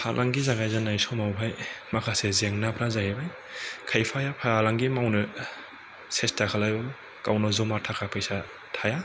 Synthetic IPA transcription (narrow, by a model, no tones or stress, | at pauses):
pʰalʔaŋɡizaɡajzanajsɔmawpʰajmakʰasezeŋnapʰɾazaɦebaj | kʰajpʰajapʰalaŋɡimawnɯ | sestʰakʰalajba | kawnɔzɔmatʰakʰapʰajsa | tʰaja